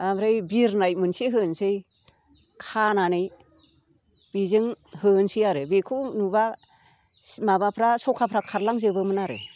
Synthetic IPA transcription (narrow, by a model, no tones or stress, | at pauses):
amɾɯjbiɾnajmɯnseɦɯnsej | kʰananɯj | b̥izɯŋhɯnsijaɾɯbekʰunuba | mabapʰɾasɔkʰapʰɾakʰaɾlaŋzɯbɯmɯnaɾɯ̰